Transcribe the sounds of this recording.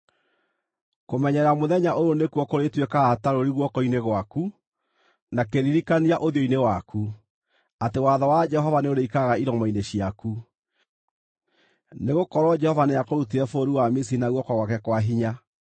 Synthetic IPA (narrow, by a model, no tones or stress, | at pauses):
komɛɲɛɾamoðɛɲaʔoɾonekuɔkoɾetwekaːtaɾoɾiɣwɔkɔineɣwaku | nakeɾiɾikaniaʔoðiɔinewaku | atewaðɔwad͡ʒɛhɔvaneoɾeikaɣaiɾɔmaineɕiaku | neɣokɔɾɔd͡ʒɛhɔvaneakoɾutiɾɛfoːɾiwamisiinaɣwɔkɔɣwakɛkwaɦiɲa